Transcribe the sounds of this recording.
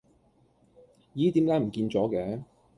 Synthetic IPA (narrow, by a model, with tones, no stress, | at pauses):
jiː˨˥t̪iː˨˥mkaː˨˥jm̩˨˩kiː˧nt͡sɔː˨˥kɛː˨˥